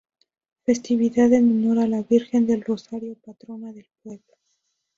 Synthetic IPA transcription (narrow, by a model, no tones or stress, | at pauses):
fe̞st̪iβiðaðenunoɾalaβiɾxe̞nd̪e̞lro̞saɾjo̞pat̪ɾo̞naðe̞lpwe̞βlo